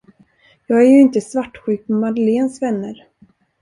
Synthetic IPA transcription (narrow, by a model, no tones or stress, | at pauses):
jɑːɡæɾjɵɪnt̪əsvaʈːɧʉ̟ːk̚mɛmad̪əleːnsvɛnːəɾ